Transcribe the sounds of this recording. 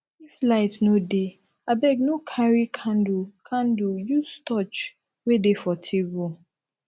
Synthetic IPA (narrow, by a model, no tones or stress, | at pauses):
iflaɪtnode | abɛɡnokʰaɹikʰãndukʰãndujustɔt͡ʃ | wedefɔtʰebu